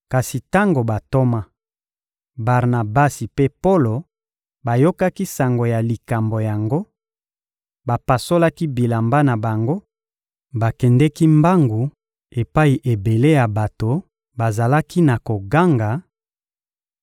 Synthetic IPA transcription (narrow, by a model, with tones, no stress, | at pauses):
ka˨si˨ta˦ŋɡo˨ba˨to˦ma˦ | ba˨ʁna˨ba˦si˨pe˦po˦lo˨ | ba˨jo˦ka˦ki˦sa˨ŋɡo˨ja˨li˨ka˨mbo˨ja˨ŋɡo˦ | ba˨pa˨so˦la˦ki˦bi˨la˨mba˦na˨ba˨ŋɡo˦ | ba˨kɛ˨ndɛ˦ki˦mba˦ŋɡu˨ | e˨pa˦i˨ʔe˨be˨le˦ja˨ba˨to˨ | ba˨za˨la˦ki˦na˨ko˨ɡa˦ŋɡa˨